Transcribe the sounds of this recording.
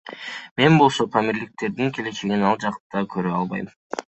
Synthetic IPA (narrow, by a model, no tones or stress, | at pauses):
me̞nbo̞lˠso̞pʰamiɾlɪk̚t̪e̞ɾd̪iŋkʰʲe̞le̞t͡ʃʰe̞ɡinɑlˠd͡ʒɑq̪d̪ɑkʰøɾøɑlˠβɑ̰j